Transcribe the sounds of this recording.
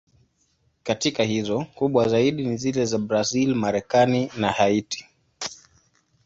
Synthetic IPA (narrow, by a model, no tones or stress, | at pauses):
katikahizɔkuɓwazaiɗinizilɛzabɾazilmaɾɛkaninahaiti̥